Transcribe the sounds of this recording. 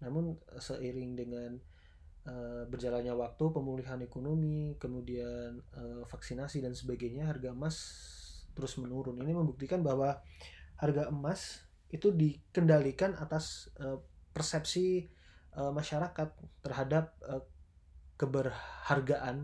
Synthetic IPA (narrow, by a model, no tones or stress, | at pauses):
namʊnəsəʔiɾɪŋdəŋan | əbərd͡ʒalanɲawak̚t̪upəmuliɦanekonomikəmudianəfaksinasidansəbaɡajɲaɦarɡaəmast̪əɾʊsmənuɾʊniniməmbuk̚t̪ikanbaɦwaharɡaʔəmas | it̪udikəndalikanat̪asʔəpərsɛp̚si | ʔəmaʃaɾakat̪ːərɦadap̚ə | kəbərharɡaʔan